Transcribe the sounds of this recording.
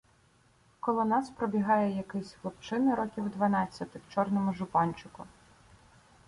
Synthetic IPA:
kɔlˠɔnɑspɾɔbʲiɦɑjɛjɐkɪsʲʋlˠɔpt͡ʃɪnɪɾɔkʲiwd̪ʋɐnɑt͡sʲːɐt̪ɪwt͡ʃɔrnɔmʊʒʊpɑnʲt͡ʃʊkʊ

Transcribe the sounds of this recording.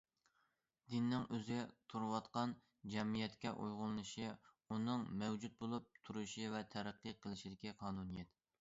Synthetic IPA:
d̪̥ɪnːɪŋøzt̪ʰuɾwɑt̪qɑn | d͡ʒɛmijɛt̪kʲɛʔṵjʁʊlˠɨnɨʃi | unɨŋmɛwd͡ʒut̪̚bolˠup̚t̪ʰuɾuʃivɛt̪ʰæɾæqːɨqʰəlˠɪʃid̪ɪkʲiqʰɑːnunijɛt̪̚

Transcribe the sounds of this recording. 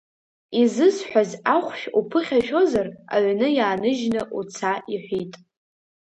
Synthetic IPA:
izɨzħʷᶣazaχʷʃᶣupʰɨχʲaʃᶣo̞zara̰ɥʷnɨjaːnɨʒnɨʔut͡sʰaiħʷitʼ

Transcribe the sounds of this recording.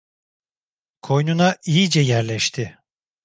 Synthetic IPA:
kʰo̞jnunaʔijid͡ʒɛjæɾlʲɛʃt̪ʰɪ

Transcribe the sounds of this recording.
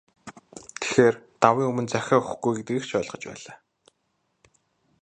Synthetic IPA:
t̪ʰe̥xeːrt̪awiːŋɵmɵ̆nt͡sæxʲaːʊxɡujɡet̪ɡiːkʃœːɮʁə̆t͡ɕpæ̰ːɮaː

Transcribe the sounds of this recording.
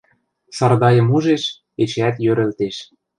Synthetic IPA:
sɑrd̪ɑjɤ̆muʒeʃ | et͡ɕæt̪jøɾɘ̆lt̪eʃ

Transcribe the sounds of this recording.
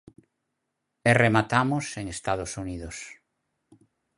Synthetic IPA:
ɛremat̪amʊseŋest̪að̞osuniðʊs

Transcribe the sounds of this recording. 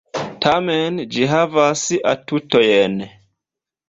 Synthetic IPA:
tʰamend͡ʒiɦavasa̰tutojen

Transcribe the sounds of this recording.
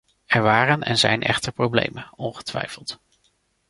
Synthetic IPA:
ɛɹʋaːrənɛ̰nzɛjnʔɛ̰χtəɹprowblḛjmənɔnχə̥tʋɛ̰jfəlˠt

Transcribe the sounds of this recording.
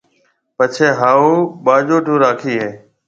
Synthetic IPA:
pət͡ʃʰeːɦaːuːɓaːd͡ʒoːʈõːɾaːkʰiːɦeː

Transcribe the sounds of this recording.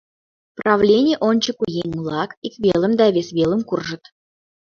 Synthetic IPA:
prɑvlʲenʲɪjʔonʲt͡ɕəkujenʲmulˠɑkikβʲelə̆md̪ɑvʲesβʲelˠə̆mkurʒə̆t̪

